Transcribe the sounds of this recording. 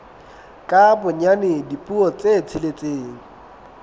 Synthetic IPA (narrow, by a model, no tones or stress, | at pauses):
kʼabʊɲanɪdipʼuɔt͡sʼet͡sʰɪlet͡sʼeːŋ̩